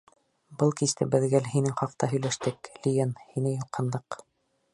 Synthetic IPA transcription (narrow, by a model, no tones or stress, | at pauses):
bɤlˠkist̪ɘbɘ̆ðɡælhinɘŋχɑqt̪ɑɦɵ̆jlæʃt̪ɘklʲijenhinɘjulqʰɤ̆nd̪ɤq